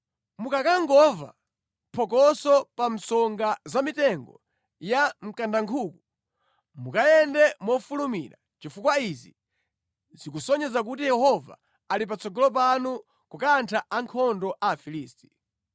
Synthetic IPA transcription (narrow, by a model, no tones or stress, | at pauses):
mukakaŋɡɔva̰ | pʰɔk̬ɔsɔpam̩sɔŋɡazamitɛŋɡɔ̰ | jam̩kandaŋkʰuːku | mukajɛndɛmɔfulumḭɾa̰ | t͡ʃifukwaizi | zikusɔɲɛzak̬utijɛhɔva̰ | alip̬at͡sʰɔɡɔlɔp̬anu | kukantʰaʔaŋkʰɔndɔʔaːfiliːsti̥